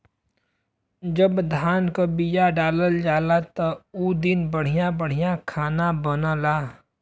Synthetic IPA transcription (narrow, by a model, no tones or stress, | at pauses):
d͡ʒəbd̪ʱaːnkobijaɖaːləld͡ʒaːlat̪əud̪ɪnbəɽ̤ijãbəɽ̤ijãkʰaːnabənalaː